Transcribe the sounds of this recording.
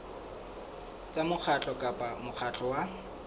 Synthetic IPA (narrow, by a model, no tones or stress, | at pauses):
t͡sʼamʊk͡xʰat͡ɬʼɔkʼapʼamʊk͡xʰat͡ɬʼɔwa